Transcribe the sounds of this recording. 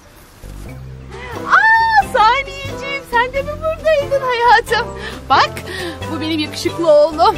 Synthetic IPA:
asaːnejid͡ʒijinsænd̪ebibuɾd̪aid̪inhajat̪ʰɯmbakbubenimjakɯ̥ʃɯklˠɯolˠd̪ʊ

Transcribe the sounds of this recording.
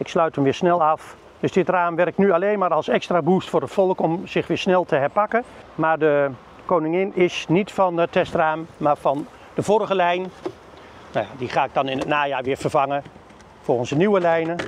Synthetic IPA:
ɪkslœɥtʰəmʋɪːsnɛlˠaf | d̥øsdɪtraːmʋɛrɪk̚tnyaleːnmaːɾɔlˠsɛkstraːbustfoːrətfɔlˠəkɔmz̥ɪxʋɪːsnɛlˠtʰəɦɛrpakə | maːrdə | koːnɪŋɪnɪsnitfɔnətɛstraːmːaːrfɔn | d̥əvoɾəɣəlɛjn | najadiχaːɪk̚dɔnɪnətnaːjaːʋɪːvərvɑŋə | folˠɣənsdəniwəlɛjnə

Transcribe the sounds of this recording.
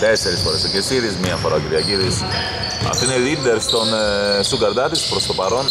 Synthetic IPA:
t̪ese̞ɾisfo̞ɾesocesiðizmiɐfoɾɐciɾiɐciðis | ɐ̰ft̪oineðid̪eɾst̪o̞nsuɡɐɾd̪ɐt̪ispɾo̞st̪o̞pɐɾo̞n

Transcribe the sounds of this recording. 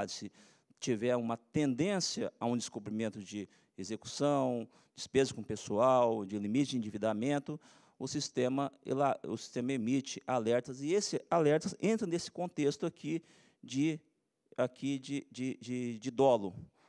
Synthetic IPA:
d͡ʒɪsɪ | t͡ʃivɛɾũmɐt̪ẽnd̪ẽsjɐaũd̪ɪskubɾĩmẽnt̪ʊd͡ʒɪ | ezeku̥sɐ̃w̃ | d͡ʒɪspezɐkõpesuawd͡ʒɪlimit͡ʃɪd͡ʒɪĩd͡ʒivid̪amẽnt̪ʊ | ʊsist̪ẽmɐḛlaʊsi̥st̪ẽmɐemit͡ʃɪʔalɛɾt̪ɐzɪesɪalɛɾt̪ɐzẽnt̪ɾɐnesɪ̥kõnt̪est̪ʊakʰi | d͡ʒɪ | akʰid͡ʒɪd͡ʒɪd͡ʒɪd͡ʒɪd̪ɔlʊ

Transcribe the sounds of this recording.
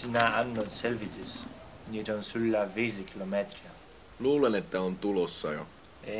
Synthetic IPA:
sinæɑnːot̪selʋit̪is | niːt̪onsylːaʋiːsikʰilomet̪ria | luːlenet̪ːæont̪ulosːɑjo̰ | e

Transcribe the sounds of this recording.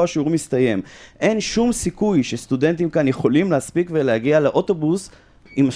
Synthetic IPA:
aʃiuʁmist̪aje̞mʔe̞nʃumsikujʃest̪ude̞nt̪̬imkanje̞χo̞limlehaspikvelehaɡialeʔo̞to̞bus | ima

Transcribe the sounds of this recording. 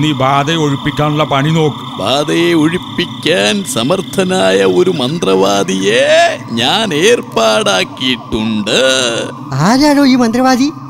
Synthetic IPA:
nːiːbaːd̪ɐjoɻipːikʲːaːnuɭːɐpɐɳino̞ːkːubaːd̪ɐjeoɻipːikʲːaːnsɐmɐrt̪ʰɐnaːjɐo̞ɾumɐnd̪rɐʋaːd̪ijeɲaːneːrpaːɽaːkːijiʈːuɳɖɨ | aːɾaːɻoːiːmɐnd̪rɐʋaːd̪ʱi

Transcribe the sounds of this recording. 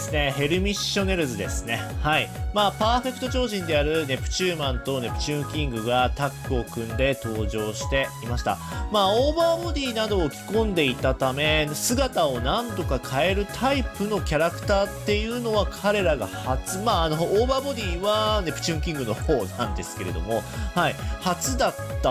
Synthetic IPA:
sɨne̞he̞ɾɯ̟mʲiɕːo̞ne̞ɾɯ̟zɨd̪e̞sɨne̞haimaːpaːɸe̞kɯ̟t̪o̞t͡ɕo̞ːʑĩnd̪e̞jaɾɯ̟ne̞pɯ̟̥t͡ɕɨːmãnt̪o̞ne̞pɯ̟̥t͡ɕɨ̃ːŋkʲĩŋɡɯ̟ɡat̪akːɯo̞kɯ̟̃nd̪e̞t̪o̞ːʑo̞ːɕi̥t̪e̞imaɕi̥t̪a̰maːoːbaːbo̞d̪ʲiːnad̪o̞ːkʲi̥kõ̞nd̪e̞it̪at̪ame̞sɨɡat̪ao̞nãnt̪o̞kakʰae̞ɾɯ̟t̪ʰaipɯ̟no̞kʲaɾakɯ̟̥t̪aːt̪ːe̞jɯ̟ːno̞βakʰaɾe̞ɾaɡa̰hat͡sɨmaːno̞oːbaːbo̞d̪ʲiːβane̞pɯ̟̥t͡ɕɨ̃ːŋkʲĩŋɡɯ̟no̞hoːnãnd̪e̞sɨ̥ke̞ɾe̞̰d̪o̞̰mo̞haihat͡sɨd̪at̪ːa

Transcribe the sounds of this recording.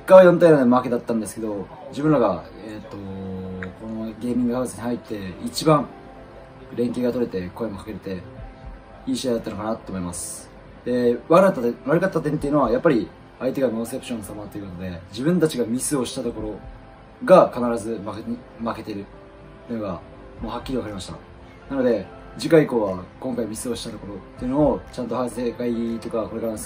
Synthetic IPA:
kːaβjont̪ainad̪maked̪at̪ːãnd̪e̞sɨ̥ke̞d̪o | d͡ʑibɯ̟nɾaɡa | et̪ːo̞ko̞noɡʲe̞ːmʲĩŋɡɯhaβɯsɨɲ̟ihait̪ːe̞it͡ɕibãɴ | ɾẽ̞ŋke̞ːɡat̪o̞ɾe̞t̪e̞ko̞emo̞kḁkeɾet̪e̞ | iːɕiad̪at̪ːano̞kanat̪ːoːmo̞imasɨ̥ | d̪̥e̞βaɾβaɾɯ̟kat̪ːat̪ːẽnt̪eiɯ̟noajapːaɾʲi | ait̪e̞ɡanõ̞se̞pɯ̥ɕõnːosamaat̪ːojɯkot̪od̪e̞d͡ʑibɯ̟̃nt̪at͡ɕiɡamʲisɨo̞ɕi̥t̪at̪o̞ko̞ɾo̞ | ɡakanaɾazɨmak | make̞t̪e̞ɾɯ̟ | eɯnoɡa | mo̞ːhakʲːiɾʲiβakaɾʲimaɕi̥t̪a̰ | nano̞d̪e̞ | d͡ʑikaiko̞ːβakõŋkaimʲisɨo̞ɕi̥t̪at̪o̞koɾo̞t̪ːe̞iɯ̟no̞ːt͡ɕãnt̪o̞hasekait̪o̞kako̞ɾekaɾas

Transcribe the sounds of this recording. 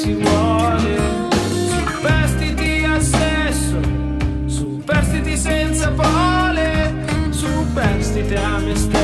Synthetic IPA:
sivwɔle | su | pɛɾst̪it̪iasːɛ | sːo | supɛɾst̪it̪isɛnt̪sapɔɔle | su | pɛɾst̪it̪eamːest̪e

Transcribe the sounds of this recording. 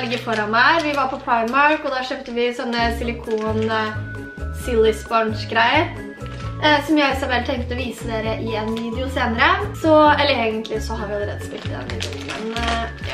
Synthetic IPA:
lɡəfɔɾɑnmæɪʋɪʋɑɾpʰɔpʰɹɑɪmɑɾkɔd̪ɑʂøːpt̪əʋɪsɔnːəsɪlɪkʰuːn | sɪlːɪsbɔnʂɡɾæɪəɾ | sɔmjæɪɪsɑbɛlt̪ʰɛŋkt̪əɔʋiːsəd̪eːɾəʔɪɛnʋiːd̪ɪʊseːnəɾəsɔɛlːəɾeːɡənt̪ʰlɪsɔhɑɾʋɪɑləɾḛːd̪əspɪlt̪əd̪ɛ̰nːɪ̰nt̪ɔk̪ə̰n

